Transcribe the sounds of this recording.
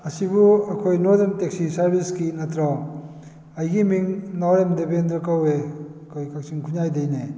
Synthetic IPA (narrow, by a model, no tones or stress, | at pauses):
ɐsibuɐkʰojnodɐntek̚sisɐɾbʱiskinɐtʰɾaw | ɐjɡimiŋnawjemdebendɾɐkawekojkak̚siŋkʰuɲajdɐjne